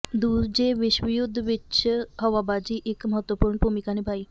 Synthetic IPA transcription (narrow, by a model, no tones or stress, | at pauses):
d̪ud͡ʑebeʃbijud̪ʱːbetːɕʰɦɔwabad͡ʑiʔekmɔɦot̪ːopuɾnpomikanibʱaj